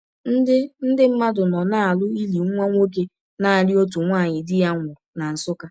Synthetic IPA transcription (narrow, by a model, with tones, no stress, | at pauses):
n̩˦dɪ˦n̩˦dɪ˦m̩˦ma˦dʊ˨nɔ˨na˦a˨lʊ˦i˦li˨ŋ̩˦ŋʷa˦ŋʷ˦o˦ke˦ | na˦a˨ɾi˦o˦tu˨ŋʷaː˦˨ɲɪ˨dɪ˦ja˦ŋʷʊ˨ | na˨n̩˨sʊ˦ka˦